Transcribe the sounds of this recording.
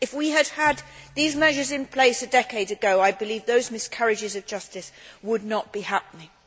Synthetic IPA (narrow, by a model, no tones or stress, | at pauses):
ɨfwiɨd̥̚əd̪̚ðizmɛʒə˞zɨ̃npʰl̥eɪsɨdɛkeɪɾɨɡoʊaɪbɨlivðoʊzmɨskʰʌɹɨd͡ʒɨzʌvd͡ʒʌstɨswədⁿnət̚b̥ihæp̚nɪ̃ŋ